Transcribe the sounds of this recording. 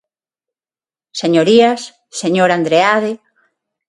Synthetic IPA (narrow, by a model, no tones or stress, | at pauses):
seɲoɾias | seɲoɾand̪ɾeaðe